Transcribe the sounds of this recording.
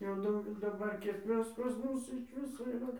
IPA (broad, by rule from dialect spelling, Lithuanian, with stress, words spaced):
jɛʊ ˈdɐʊɡʲɛlʲ dɐˈbɐr kʲiɛk ˈʋʲɪs pɐs ˈmʊs ɪʃ ˈʋʲɪsoː iːˈrɐ